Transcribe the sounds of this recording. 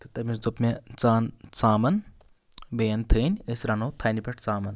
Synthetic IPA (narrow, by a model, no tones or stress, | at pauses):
t̪ɨt̪ɐmʲisd̪opmʲet͡saːnt͡saːmɐn | bɐjɐnt̪ʰəːnʲəsʲɾanoːt̪ʰaːnipɐʈʰt͡saːmɐn